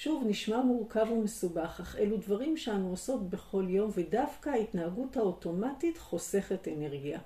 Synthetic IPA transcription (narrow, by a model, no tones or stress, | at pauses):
ʃuvniʃmamuʁkavumesubaχaχe̞ludvaʁimʃeanuoso̞tbe̞χo̞ljo̞mve̞dafkaːitnaaɡuthao̞to̞matitχo̞se̞χetene̞ʁɡia